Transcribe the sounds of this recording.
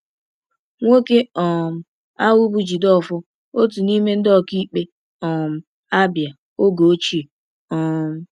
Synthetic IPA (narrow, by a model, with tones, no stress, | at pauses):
ŋʷo˦ke˦ɔ˨m̩˨ | a˦wu˦bu˦d͡ʒi˨dɔ˦˨fʊ˦ | o˦t̬u˨ni˦me˦n̩˦dɔ˦ki˦k͡pe˦ | ɔ˨m̩˨ | a˦bja˨ | o˦ɡo˨˦t͡ʃi˦˨ | ɔ˨m̩˦